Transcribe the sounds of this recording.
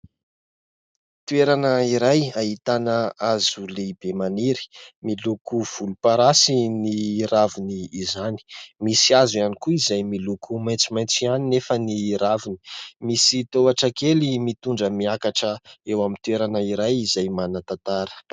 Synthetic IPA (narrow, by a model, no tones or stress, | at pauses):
t̪ueɾanəiɾajaɦit̪anəazuleb̥emaniɾi̥milukuv̥ulupaɾasiniɾaviniːzani̥misiazuanikuizajmilukʰumaj̃nt͡simajnt͡sianinefəniɾavini̥misit̪oaʈ͡ʂakelimit̪uɳɖ͡ʐəmiakaʈ͡ʂəewamint̪ueɾanəiɾajizajmanat̪at̪aɾə̥